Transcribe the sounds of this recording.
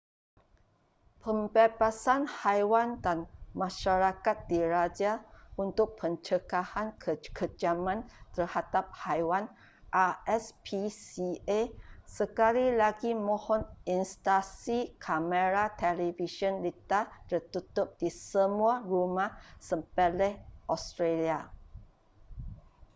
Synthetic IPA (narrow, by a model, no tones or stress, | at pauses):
pəmbɛbasanhajwandanmãʃaɾakat̪̚diɾad͡ʒaunt̪ʊk̚pʰəɲt͡ʃəkahankʰəd͡ʒamãnt̪ərhadap̚hajwan | ʔaɛspisiesəkalilaɡimɔ̃hɔninst̪asikʰaməɾat̪ɛliviʃɔ̃nlit̪at̪ərt̪ut̪ʊp̚disəmũarumãhsəmpɛlɛhʔɔst̪ɾelia